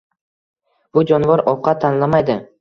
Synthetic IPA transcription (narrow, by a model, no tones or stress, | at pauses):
b̥ʊd͡ʒɒnvɒɾɒwqʰɑt̪ʰːanlamajd̪ɪ